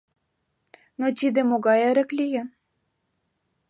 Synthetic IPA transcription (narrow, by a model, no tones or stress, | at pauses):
not̪id̪ĕmoɣɑjeɾə̆klije